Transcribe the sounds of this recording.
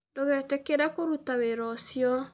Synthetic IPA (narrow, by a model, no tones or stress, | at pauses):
doɣɛtekeɾakoɾutaweɾɔsjɔ